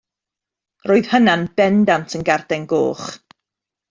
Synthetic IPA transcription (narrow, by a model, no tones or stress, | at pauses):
roːɨðhənanbɛndantʰənɡard̥ɛnɡo̰ːχ